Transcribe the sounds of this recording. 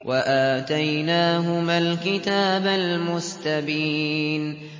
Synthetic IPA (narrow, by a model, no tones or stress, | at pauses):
wʔaʔaːt̪ajnaːɦʊmaːlkɪt̪aːbalmʊst̪abiːn